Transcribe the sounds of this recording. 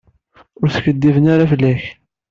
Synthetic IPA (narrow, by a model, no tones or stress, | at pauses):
ʊɾθçəd̪ːivənaɾafəlːæç